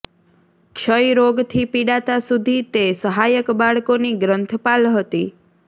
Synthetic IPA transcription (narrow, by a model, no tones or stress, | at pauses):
kʃəjɾoɡt̪ʰipiɽat̪asud̪ʱit̪esəɦajəkbaɭkoniɡɾənt̪ʰəpalɦət̪i